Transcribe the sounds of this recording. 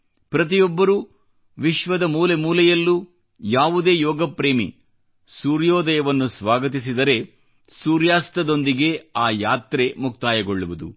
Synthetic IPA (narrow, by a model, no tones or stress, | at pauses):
pɾɐt̪̬ijɔbːɐɾuː | ʋiʃʋɐd̪ɐmuːle̞muːlɛjɐlːu | jaːʋud̪e̞ːjɔːɡɐpɾe̞ːmḭ | suːɾjɔːd̪ɐjɐʋɐnːusʋaːɡɐt̪is̬id̪ɐɾe̞ | suːɾjaːst̪ɐd̪o̞nd̪iɡe̞aːjaːt̪ɾe̞muk̚t̪aːjɐɡoɭːuʋud̪ṵ